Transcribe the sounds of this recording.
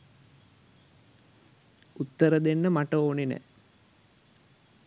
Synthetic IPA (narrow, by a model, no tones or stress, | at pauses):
ut̪ːəɾəd̪enːəmaʈəoːninæ̰